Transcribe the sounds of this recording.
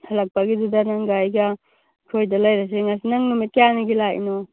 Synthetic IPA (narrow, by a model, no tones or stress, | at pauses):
hɐlak̚paɡidudanaŋɡajɡa | kʰojdalajɾas̬eŋasinaŋnumikijaniɡilaḭno